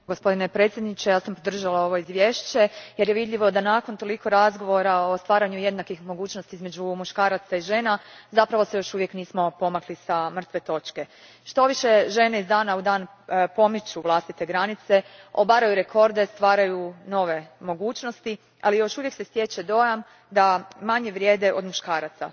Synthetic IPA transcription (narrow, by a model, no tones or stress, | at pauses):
ɡospo̞d̪inepɾet̪sʲjed̪nit͡ɕejaːsampod̪r̩ʒalao̞ʋo̞izʋje̞ːʃt͡ɕe̞je̞ɾjeʋid̪ʎiʋo̞d̪anako̞nt̪o̞liko̞ɾazɡo̞ʋo̞ɾao̞st̪ʋaːɾaɲuje̞d̪nakixmo̞ɡuːt͡ʃnost̪iizme̞d͡ʑumuʃkaːɾat̪saiʒe̞ːnazapɾaʋo̞se̞jo̞ʃuʋje̞kniːsmo̞po̞maklisamr̩t̪ʋe̞t̪o̞t͡ʃke̞ | ʃt̪o̞ʋiʃe̞ʒe̞neizd̪aːnaud̪aːn | po̞mit͡ɕuʋlˠast̪it̪e̞ɡɾanit̪se̞o̞baɾajuɾe̞kʰo̞ɾd̪e̞st̪ʋaːɾajuno̞ʋe̞mo̞ɡuːt͡ɕno̞st̪i | a̰lijo̞ʃuʋjekse̞sje̞t͡ɕed̪o̞jam | d̪amaɲe̞ʋɾʲje̞ːd̪e̞ʔo̞d̪muʃkaːɾat̪sa̰